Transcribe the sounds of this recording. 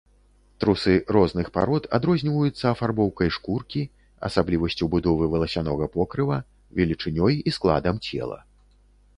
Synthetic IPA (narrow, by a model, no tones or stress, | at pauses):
t̪ɾusɨɾɔznɨxpa̰ɾɔt̪ʰad̪ɾɔzʲnʲivɐjut̪sːɐːfarbɔwkɐjʂkurkʲi | ɐ̰sablʲivɐsʲt͡sʲubud̪ɔvɨvɨlˠɐsʲanɔɣɐpɔkɾɨvɐ | vʲɛlʲit͡ʂɨnʲɔjisklˠa̰d̪ɐmt͡sʲɛ̰lˠɐ̰